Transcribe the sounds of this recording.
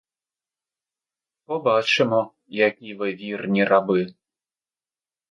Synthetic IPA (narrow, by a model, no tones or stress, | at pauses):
pɔbat͡ʃɪmɔ | jakʲiʋɨvʲirnʲirʔabɪ